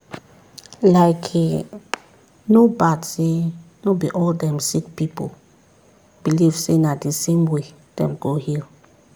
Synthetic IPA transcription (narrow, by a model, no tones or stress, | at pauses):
laɪkʰɛ | nobadsenobiʔɔldɛ̃msikpipo̰ | b̥iliv̥senadisẽmwe | d̥ɛ̰̃mɡohil